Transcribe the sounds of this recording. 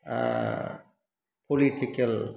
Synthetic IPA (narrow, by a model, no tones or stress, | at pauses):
pʰoliʈikel